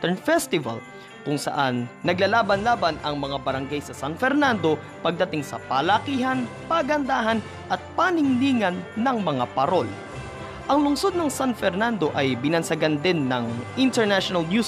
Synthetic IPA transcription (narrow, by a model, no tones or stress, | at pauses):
t̪ɛɹnfɛst̪ɪvɐ̰l | kʊŋsɐ̰ʔanːɐɡlalaːbɐnlaːbɐnɐŋmɐŋabɐɾɐŋɡajsɐsanfɛɾnand̪o̞ | pɐɡ̚d̪ɐt̪ɪŋsɐpɐlɐkiːɦɐn | paɡɐnd̪aːɦɐn | ʔɐt̪̚panɪŋniːŋɐnːɐŋmɐŋapɐɾo̞l | ʔɐŋlʊŋsod̪̚nɐŋsanfɛɾnand̪o̞ʔɐjbɪnɐnsɐɡand̪ɪnːɐŋʔɪnt̪ɛɹnaʃonɐlnju